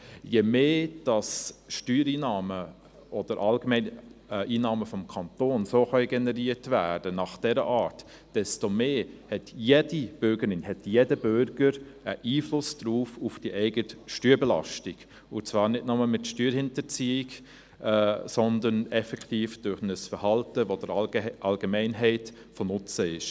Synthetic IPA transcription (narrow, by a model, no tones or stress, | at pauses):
jemeːd̥ɑsʃtyːɾiːnɑːmə | ɔd̥əɾʔɑlɡəmɛɪnʔiːnɑːməfɔmkʰɑntoːnsoːxœʏɡɛnɛɾiːətvæːd̥ənɑχd̥ɛɾəʔɑːt | d̥ɛstomeːhɛtjedib̥ʏɾɡəɾɪnhɛtjedəb̥ʏɾɡ̥əɾəʔiːflʊsd̥ɾuːfufd̥iʔɛɪɡətʃtyːɾbɛlɑ̰ʃtɪɡ̥ | ʊt͡svɑːɾnɪdnɔməlmɪtʃtyːɾhɪntət͡siːɪɡ | sɔndənɛfɛkʰtiːfd̥ʊɾχnəsfəɾhɑltəʋod̥əɾʔɑlɡəmɛɪnɦɛɪt | fɔnʊt͡səɪʃ